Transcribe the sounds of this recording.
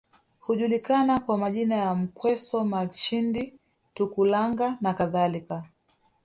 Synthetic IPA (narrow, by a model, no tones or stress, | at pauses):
huʄulikanakwamaʄinajam̩kwɛsɔmat͡ʃindi | tukulaŋɡanakaðalika